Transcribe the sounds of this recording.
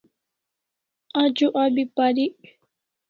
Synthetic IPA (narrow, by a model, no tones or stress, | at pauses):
ad͡ʒuʔabipaɾiʔ